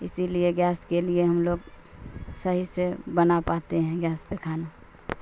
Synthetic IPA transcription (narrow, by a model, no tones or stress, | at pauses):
ɪsilieɡjaːskelieɦɐmloːɡ | səɦisebənapaːt̪eɦɛ̃ɡjaːspekʰaːna